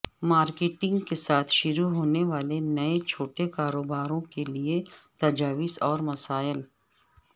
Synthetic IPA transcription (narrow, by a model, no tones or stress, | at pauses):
maːɾkeːʈɪ̃ŋɡkesaːt̪ʰʃʊɾuɦoːneʋaːlenɐet͡ʃʰoːʈekaːɾoːbaːɾõkeliet̪ɐd͡ʒaːʋɪsɔːɾmɐsaːjəl